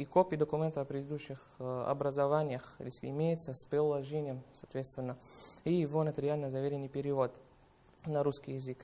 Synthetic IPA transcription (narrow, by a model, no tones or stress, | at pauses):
ikopʲɪd̪əkʊmʲent̪əɐpɾʲɪd̪ʲɪd̪uɕːɪxɐ̰bɾəzɐvanʲɪjəxjʲesʲlʲɪ̰ɪmʲejɪt̪səspɾʲɪlˠɐʐenʲɪjəmsɐːt̪vʲet̪st̪vʲɪnːəijɪvonət̪ʲɪɾʲɪalʲnəzɐvʲeɾʲɪnːɨjpʲɪɾʲɪvot̪ | nɐɾuskʲijɪzɨk